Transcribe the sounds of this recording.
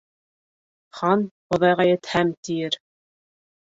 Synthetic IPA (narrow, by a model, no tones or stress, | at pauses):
χɑnχŏðɑjʁɑjɘ̆t̪hæmt̪ijɘɾ